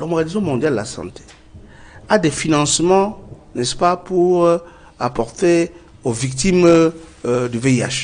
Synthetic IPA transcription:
lɔ̃mɔɡanizɔ̃mɔ̃d̪jald̪elasɑ̰̃t̪ʰe̥ | ad̪efinɑ̃smɑ̃nɛspapuʁ | apɔʁt̪e | ovik̚t̪im | d̪yveia̰ʒ

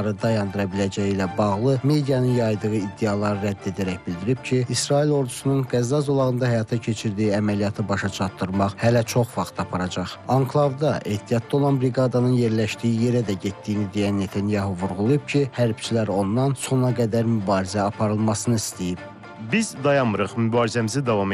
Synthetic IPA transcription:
ɾɯd̪ɑjɑnd̪ɯɾɑbilæd͡ʒæjilæbɑʁlˠɯme̞d̪ijɑnɯnjɑjd̪ɯʁɯid̪ːejɑlˠɑɾɯɾæd̪ːe̞d̪æɾæçbild̪iɾib̥cʰiːsɾɑilˠo̞ɾd̪usununɡæzːɑzolˠɑɣɯnd̪ɑhæjɑt̪ʰɑcʰe̞t͡ʃʰiɾd̪iiæmælijɑt̪ʰɯbɑʃɑt͡ʃʰɑt̪ːɯɾmɑχhælæt͡ʃʰo̞χvɑχt̪ʰɑpʰɑɾɑd͡ʒɑχɑŋkʰlˠavd̪ɑʔe̞ht̪ʰːijɑt̪̚d̪ɑo̞lˠɑnbɾiɡɑd̪ɑnɯnje̞ɾlæʃd̪ijije̞ɾæd̪æɟet̪ːijnid̪ejænːe̞t̪ʰænjɑɦuvuɾʁulˠujubcʰihæɾbt͡ʃʰilæɾo̞nd̪ɑnso̞nɑɡæd̪æɾmybɑːɾizæɑpʰɑɾɯlˠmɑsɯnɯist̪ejib̥ | bizd̪ɑjɑmɯɾɯχmybɑːɾizæmizid̪ɑvɑm

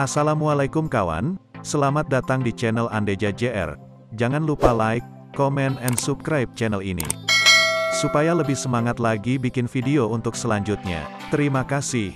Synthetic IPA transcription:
ʔasalamualajkʊmkawa̰nsəlamat̪̚dat̪aŋdit͡ʃɛnəlanded͡ʒad͡ʒeʔɛ̰r | d͡ʒaŋanlupalaɪkː | omɛnɛnsub̚kɾajp̚t͡ʃɛnəlinḭ | supajaləbɪhsəmaŋat̪laɡibikɪnfidiount̪ʊksəlaɲd͡ʒut̪̚ɲa̰ | t̪əɾimakasɪh

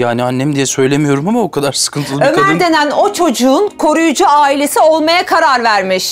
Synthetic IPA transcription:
jaːnianːemd̪ijɛsø̞jlʲemijo̞ɾumamaokʰad̪aɾsɯ̥kʰɯnt̪ʰɯlˠømæɾd̪e̞næno̞t͡ʃʰo̞d͡ʒuːnkʰo̞ɾujud͡ʒuaːilʲe̞sio̞lˠmajakʰaɾaɾvæɾmiʃ

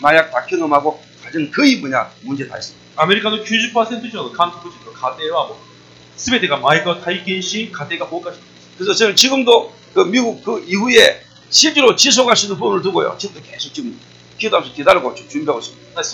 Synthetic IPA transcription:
majak̚t͈akʰinɯmɦaɡo | kad͡ʑɯŋkɯimuɲa̰mund͡ʑe̞ta̰is͈ɯmidaame̞ɾikʰanokjuɕipʰʌsʰentʰɯɕʰiʌdokamtʰpʰɯɕʰinokadewamo | sʰɯbedeɡamaiɡʌtʰaikenɕʰikadeɡapokʰaɕʰin | kɯɾesʰʌt͡ɕʌnɯt͡ɕiɡɯmdo | kɯmiɡuk̚kɯiɸue̞ | ɕʰiɭt͡ɕ͈eɾot͡ɕis̬ʰoɡɦaɭɕʰinɯnpunɯɭtuɡojo̰t͡ɕiɡɯmdokesʰok̚t͡ɕim | kʰidamsʰotedaɾɯɡot͡ɕomt͡ɕuimpʰjaɡoɕ͈ʰimida

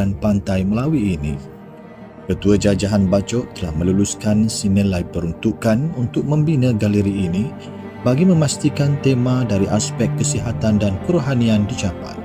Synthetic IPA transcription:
anpant̪ajməlawiːnḭ | kət̪uad͡ʒad͡ʒaɦanbat͡ʃɔʔt̪əlahmə̃luluskansinəlajpəɾunt̪ukanunt̪ʊk̚mə̃mbinə̃ɡaləɾiːni | baɡimə̃mast̪ikant̪emãdaɾiʔaspɛkːəsiɦat̪andankəɾuɦaniandit͡ʃapa̰j

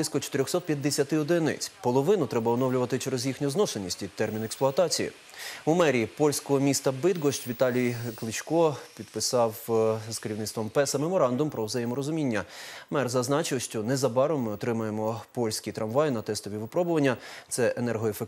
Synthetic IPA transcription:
lˠɪsʲkɔt͡ʃɔ̥t̪ɪɾʲɔxsɔt̪̚pʲjɐd̪ːesʲɐt̪ɪɔd̪ɪnɛ̰t͡sʲpɔlˠɔʋɪnʊt̪ɾɛbɐɔnɔwlʲʊʋɐt̪ɪt͡ʃɛɾezjixnʲɔznɔsenʲːisʲtʲid̪t̪ːɛrmʲineksplˠʊɔɐt̪ɑt͡sʲijḭ | umɛɾʲipɔlʲsʲkɔɦɔmʲist̪ɐbɪd̪ɡɔʃt͡ʃʲʋʲit̪ɑlʲijklˠɪt͡ʃkɔpʲid̪pɪsɑwz̥keɾʲiwnɪt̪ʋɔmpɛsɐmemɔɾɑnd̪ʊmpɾʔɔwzɐjɪmɔɾɔzʊmʲinʲːɐmɛrzɐznɑt͡ʃɪwʃt͡ʃɔnɛzɐbɑɾɔmːɪɔt̪ɾɪmɐjemɔpɔlʲsʲkʲit̪ɾʔɐmʋɑjnɐt̪ɛst̪ɔʋʲiʋɪpɾɔbʊʋɐnʲːɐt̪sɛʔenɛrɦɔefek

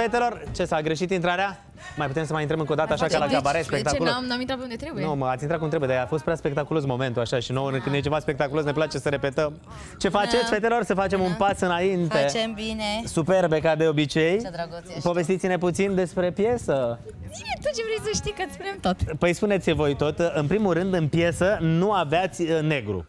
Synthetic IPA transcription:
fet̪e̞lo̞rt͡ʃesaɡɾe̞ʃit̪int̪ɾaɾea | majput̪e̞msəmajint̪ɾəmɨŋkod̪at̪əaʃakalaɡabaɾespekt̪akulomnamint̪ɾatpeund̪et̪ɾebujnoməat̪ʲint̪ɾatkumt̪ɾebujed̪aafost̪̚pɾʲeaspe̞k̚t̪akulo̞smo̞me̞nt̪uaʃaʃinowkɨnjet͡ʃe̞vaspe̞k̚t̪akulo̞s̬neplat͡ʃe̞səɾe̞pe̞t̪əm | t͡ʃe̞fat͡ʃet̪sʲfet̪elo̞rsəfat͡ʃe̞munpasɨnaint̪e̞ebinesupe̞rbe̞kad̪e̞o̞bit͡ʃe̞japo̞ve̞st̪it̪sʲine̞put̪sind̪e̞spɾe̞pje̞səbinet̪ot͡ʃevɾej̪səʃt̪ikəɨt̪spunemt̪ot̪pəjspune̞t̪sʲvo̞jt̪o̞t̪ɨnpɾimulɾɨnd̪ɨnpje̞sənuaveat̪sʲne̞ɡɾṵ

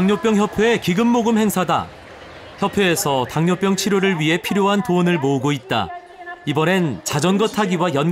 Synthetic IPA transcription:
ŋɲop͈jʌŋçjʌpʰjeekiɡɯmːoɡɯmhe̞ŋsʰada̰ | çjʌpʰeːsʰʌtaŋɲop͈jʌŋt͡ɕʰiɾjoɾɯɭɥiɦe̞pʰiɾjoɦantoːnɯɭmoɯɡoit̚t͈a̰ | ibʌɾe̞nt͡ɕad͡ʑʌnɡʌtʰaɡiwajʌn

